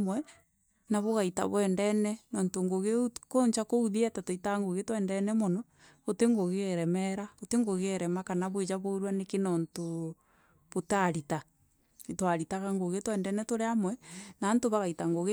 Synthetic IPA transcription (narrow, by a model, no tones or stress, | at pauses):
mwɛ | naβoɣaita̰βwɛːndɛnɛnoːntoŋɡoɣekoɲt͡ʃakouðiatatoitaŋɡoɣetwɛndɛnɛmonɔ | oteŋɡoɣeɾɛmɛɾaoteŋɡoɣeːɾɛmakanaβoed͡ʒaβoɾwanekenonto | βotaɾita | twaɾitaɣaŋɡoɣetwɛːndɛnɛtoɾeamwɛnaːntoβaɣaitaŋɡoɣe